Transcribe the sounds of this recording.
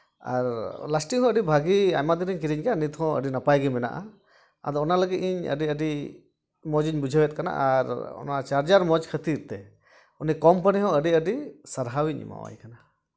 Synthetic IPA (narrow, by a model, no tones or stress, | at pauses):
a̰ɾlasʈiŋɦɔ̃əɖibʱaɡia̰jmad̪iɾiɲkiɾiɲɡɛanit̪ɦɔ̃ə̰ɖinapajɡimɛna̰ʔa̰ | a̰d̪ɔɔnaləɡit̪̚iɲə̰ɖiəɖi | mɔd͡ʒiɲbud͡ʒʱəwɛt̪̚kana̰ʔa̰ɾɔ̰nat͡ʃaɾd͡ʒaɾmɔd͡ʒkʰət̪iɾt̪ɛ | unikɔmpəniɦɔ̃əɖiəɖisəɾɦawiɲḭma̰wa̰jkana